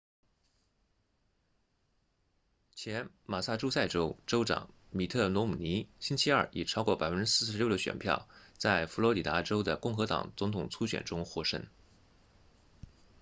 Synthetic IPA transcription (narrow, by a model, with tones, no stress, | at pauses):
t͡ɕʰjɛ˧˥n | ma˨˩sa˥˩ʈ͡ʂu˥sa˥˩ɪʈ͡ʂo˥ʊʈ͡ʂo˥ʊʈ͡ʂɑ̰˨˩˦ŋ | mi˨˩t̪ʰɤ˥˩nwɔ˧˥mu˨˩ni˧˥ɕi˥nt͡ɕʰi˥ɐ˞˥˩i˨˩ʈ͡ʂʰɑ˥ʊkwɔ˥˩pa˨˩ɪfə˥nʈ͡ʂɻ̩˥sɹ̩˥˧˩ʂɻ̩˧˥j̪ə˩ɕɥɛ̰˨˩npʰjɑ̰˥˩ʊt͡sa˥˩ɪfu˧˥lwɔ˧˥li˨˩t̪a˧˥ʈ͡ʂo˥ʊd̪ə˨kʊ˥˩ŋxɤ˧˥t̪ɑ̰˨˩ŋt͡sʊ˧˥ŋt̪ʰʊ˨˩ŋt͡sʰu˥ɕɥɛ̰˨˩nʈ͡ʂʊ˥ŋxwɔ˥ʂə̰˥ŋ